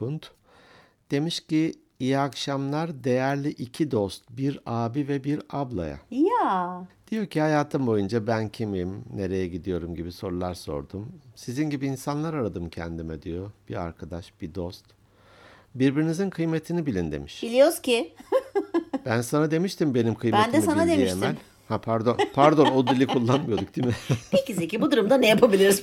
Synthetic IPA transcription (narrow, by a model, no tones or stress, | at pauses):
bunt̪ | d̪̥e̞miʃci | ijakʃamlˠaɾd̪e̞jæɾlʲiʔicʰid̪ost̪̚biɾaːbivɛbiɾablˠa̰ja̰jad̪̥ijo̞cʰihajaːt̪ʰɯmbo̞jund͡ʒabæncʰimimne̞ɾe̞jɛɟid̪ijo̞ɾumɟibiso̞ɾulˠaɾso̞̰ɾd̪umsizinɟibiːnsanlˠaɾaɾad̪ɯmcʰɛ̰nd̪imɛd̪ijo̞b̥ia̰ɾkʰad̪aʃb̥id̪o̞st̪ | biɾbiɾinizinkʰɯjme̞t̪ʰinibilʲind̪e̞̰miʃbilʲijoɾz̥cɪ | b̥ænsanad̪e̞miʃt̪ʰimbe̞nimkʰɯjmbend̪ɛsisanad̪emiʃemælʲ | hapʰaɾd̪o̞npʰaɾd̪o̞nod̪ilʲikʰulˠːanmɯjo̞d̪uk̚d̪̥imɪicizicibud̪uɾumd̪anejapʰabilʲiɾiz